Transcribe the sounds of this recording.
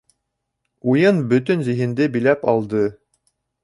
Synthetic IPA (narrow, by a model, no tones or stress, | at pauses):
ujɤnbɵ̆t̪ɵnzĭɦɘ̆nd̪ɘbilæpɑlˠd̪ɤ